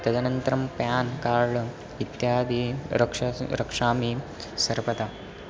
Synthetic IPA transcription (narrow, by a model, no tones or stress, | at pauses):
t̪ɐd̪ɐnɐnt̪ɾɐmpjaːnkaːɾɭ | it̪jaːd̪iɾɐkʂɐɾɐkʂaːmi | sɐɾpɐt̪a